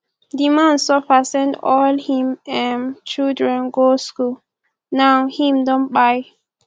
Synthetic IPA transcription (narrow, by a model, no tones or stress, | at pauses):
dimãnsɔfasɛ̃ndɔlhĩmɛ̃nt͡ʃildɹɛ̃nɡoskul | nawhĩmdɔ̃nbaɪ